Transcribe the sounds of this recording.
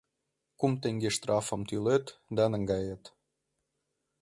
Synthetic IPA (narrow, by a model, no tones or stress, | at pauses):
kumt̪eŋɡeʃt̪rɑfə̆mt̪ylet̪d̪ɑnəŋɡɑjet̪